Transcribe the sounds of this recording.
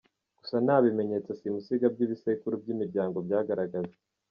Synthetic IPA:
ɡ̥usanaːβime̞ɲe̞t͡sasimusiɡab̚ɟiβisekuɾub̚ɟimiɾɟaːŋɡo̞bɟaːɡaɾaɡaze

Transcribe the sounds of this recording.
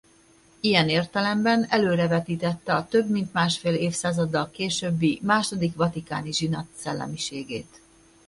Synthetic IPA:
ijɛneːrt̪ɛlɛmbɛnɛløːɾɛvɛt̪iːt̪ɛt̪ːɛɒt̪øbmint̪maːʃfeːleːfsaːzɒd̪ːɒlkeːʃøbːimaːʃo̞d̪ikʋɒt̪ikaːniʒinɒt̪sɛlːɛ̰miʃeːɡḛːt̪

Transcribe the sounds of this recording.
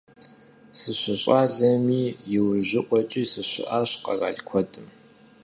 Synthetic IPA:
sɨɕɪɕʼaːɮɐmiːjɪwʑɪʔʷʼɔt͡ʃʼisɨɕʷɪ̰ʔaːɕqɐ̰ra̰ːɮkʷʰɔtʰʼɨm

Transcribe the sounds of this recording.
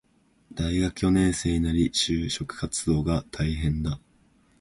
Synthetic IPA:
d̪̥aiɡakɯ̟jo̞nẽ̞ɰ̃se̞ːɲ̟inaɾʲiɕɨːɕo̞kɯ̟̥kat͡sɨd̪o̞ːɡat̪ʰaiɦẽ̞nd̪a

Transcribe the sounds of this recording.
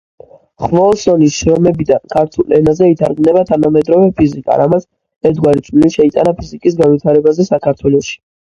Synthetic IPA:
χvɔlsɔnisʃɾɔmɛbid̪ankʰaɾt̪ʰulɛnazɛit̪ʰaɾɡmnɛbat̪ʰanamɛd̪ɾɔvɛpʰizikʼa̰ɾamat̪s | ɛɾt̪̚ɡwaɾit͡ʃʰiliʃɛit̪ʼanapʰizikʼis̬ɡanvwit̪ʰaɾɛbazɛsakʰaɾt̪ʰwɛlˠɔʃi̥

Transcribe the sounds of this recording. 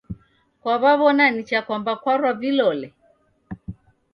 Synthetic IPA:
kwaβaβɔnanit͡ʃakwambakwaɾwavilɔlɛ

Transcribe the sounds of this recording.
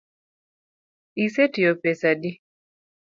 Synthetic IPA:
isetijɔpɛsadi

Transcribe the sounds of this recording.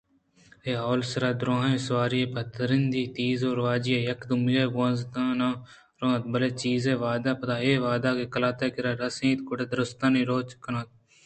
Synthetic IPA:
eːɦoːlsɐɾaːd̪ɾõːɦẽːsʋaːɾieːpɐt̪ɐɾɪnd̪iːt̪iːzoːɾʋaːd͡ʒijeːjɐkd̪ʊmjeːbõnzd̪ãːnãː | ɾõːt̪bɐleːt͡ʃiːzẽːʋaːd̪aːpɐt̪aːeːʋaːd̪aːkekɐlaːt̪eːkɪɾaːɾɐsẽːt̪kʊɽeːd̪ɾʊst̪aːnĩːɾoːt͡ʃkɐnãːt̪̚

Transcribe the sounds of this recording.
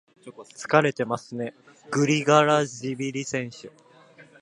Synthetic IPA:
t͡sɨ̥kaɾe̞t̪e̞masɨne̞ | ɡ̥ɯ̟ɾʲiɡaɾaʑibʲiɾʲisẽ̞ɰ̃ɕɨ

